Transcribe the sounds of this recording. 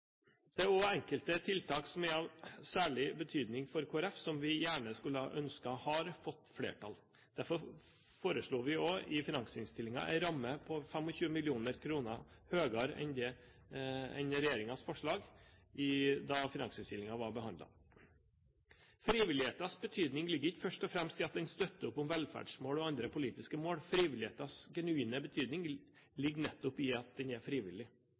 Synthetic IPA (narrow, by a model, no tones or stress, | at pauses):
d̪̥ɛɔɛŋkəlt̪ət̪ʰɪlt̪ʰɑːksɔmɛɾɑʋsæːɭɪbət̪ʰyːd̪nɪŋfɔɾkʰoːæɾɛfsɔmʋɪjæːɳəskʉlːəʔœnskɑhɑɾfɔt̪ːflḛːʈʰɑl | d̪̥æɾfɔɾ | foːɾəʂɭuːʋɪɔɪfɪnɑŋsəɪnst̪ɪlːɪŋɑ̰ʔɛ̰ɾɑmːəpʰɔfɛmɔçʉːəmɪlɪuːnəɾkʰɾuːnəɾ | høːɡɑɾɛ̰nd̪ɛ | ɛ̰nəɾɛjeːɾɪŋɑsfɔʂɭɑːɡɪd̪ɑfɪnɑŋsɪnst̪ɪlɪŋɑʋɑɾbəhɑnd̪lɑ̰ | fɾiːʋɪlɪheːt̪ɑsbət̪ʰyːd̪nɪŋlɪɡːəɾɪkfœʂʈɔfɾɛmst̪ɪɑt̪̚d̪ɛnst̪œt̪ːəʊpːʊmʋɛlfæ̰ːɖʂmoːlɔɑnd̪ɾəpʰʊliːt̪ɪskəmoːɽfɾiːʋɪlɪheːt̪ɑsɡɛnʉiːnəbət̪ʰyːd̪nɪŋ | lɪɡːnɛt̪ːʊpɪɑt̪̚d̪ɛnæfɾiːʋɪ̰lːɪ